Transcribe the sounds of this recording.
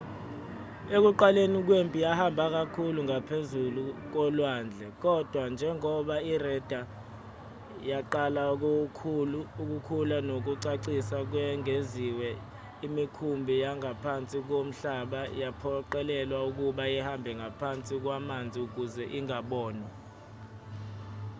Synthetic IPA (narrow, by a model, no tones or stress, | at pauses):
ek̬uǃalenik̬wempʼijahambʱak̬akʰuluŋapʰezuluk̬ɔlwaːnd͡ɮʱɛk̬ɔd̥ʱwand͡ʒʱɛŋɔɓairɛd̥ʱa | jaǃalak̬okʰuluːk̬ukʰulanok̬uǀaǀisak̬wɛŋeziwɛ | imikʰumbʱijaŋapʰant͡sʼik̬om̩ɬaɓajapʰɔǃɛlɛlwauk̬uɓajɛhambʱɛŋɡʱapʰant͡sʼik̬wamand͡zʱiuk̬uzɛʔiŋaɓɔːna